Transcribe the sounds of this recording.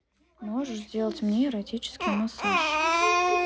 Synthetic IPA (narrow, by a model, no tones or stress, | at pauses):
moʐɨʂzʲdʲelˠətʲmmʲiɾɐtʲit͡ɕɪ̥skʲɪjnasɨʃ